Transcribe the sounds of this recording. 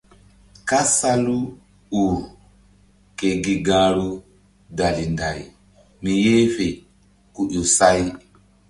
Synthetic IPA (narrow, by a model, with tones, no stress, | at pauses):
ka˦sa˦lu˦ | u˨ɾ | ke˨ɡi˨ɡaː˦ɾu˦ | da˨li˨nda˨j | mi˨je˦fe˨ | ku˨ʔu˨sa˦j